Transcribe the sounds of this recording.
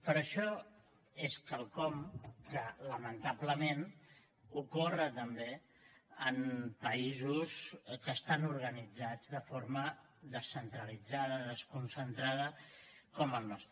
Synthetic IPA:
pəɾəʃɔ | eskəlˠkɔmkələmənt̪abləmen | ukorət̪əmbe | əmpəizuskəːst̪anuɾɣənid͡zad͡zðəfoɾmə | ðəsːənt̪ɾəlid͡zaðəðəskunsənt̪ɾað̞əkɔməlˠnɔst̪ɾə

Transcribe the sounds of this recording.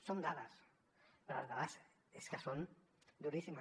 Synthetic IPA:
sond̪aðas | peɾola̰zðaðas | eskəson | d̪uɾisima

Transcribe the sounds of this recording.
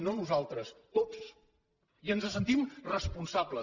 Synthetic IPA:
nonuzalˠt̪ɾəst̪os | iənzəsənt̪imrəspunsablə

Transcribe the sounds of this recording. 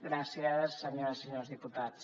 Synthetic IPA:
ɡɾasiaðəssəɲoɾəsəɲozðiput̪at͡s

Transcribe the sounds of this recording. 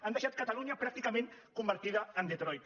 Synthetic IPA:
and̪əʃat̪̚kat̪aluɲapɾak̚t̪ikamẽn | kumbəɾt̪iðaənd̪et̪ɾɔjt̪

